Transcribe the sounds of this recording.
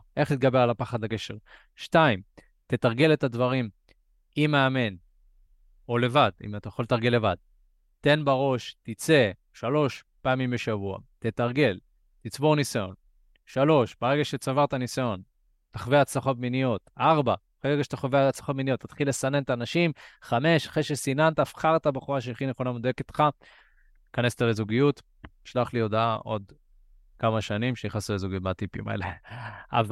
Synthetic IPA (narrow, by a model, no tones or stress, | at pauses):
ʔe̞χlit̪̚ɡabe̞ʁalapaχad̪lake̞ʃe̞ʁ | ʃtaim | t̪e̞t̪aʁɡe̞let̪advaʁim | imeame̞n | o̞le̞vadḭmat̪ajaχo̞ltaʁɡe̞lːe̞vad̪̚ | t̪e̞nbaʁo̞ʃtit͡se̞ | ʃalo̞ʃ | paːmimbe̞ʃavua̰t̪e̞t̪aʁɡe̞l | tit͡sbo̞ʁnisajo̞̰n | ʃalo̞ʃb̥aʁe̞ɡaʃet͡savaʁt̪anisajo̞n | t̪aχveat͡slaχo̞tminijo̞t̪aʁba | χeʁeɡaʃe̥t̪aχoveaat͡slaχo̞t̪minijo̞t̪̚ːat̪χilːe̞sane̞nt̪aːnaʃimχame̞ʃaχʁeʃesinant̪afχaʁt̪abeχuʁaʃ̬eaχineχo̞named̪ojekit̪χa | kanest̪alezuɡijut̪ | iʃlaχlio̞d̪aaʔo̞d̪ | kamaʃanimʃeiχasulezuɡiut̚bat̪ipḭma̰ḛlea̰v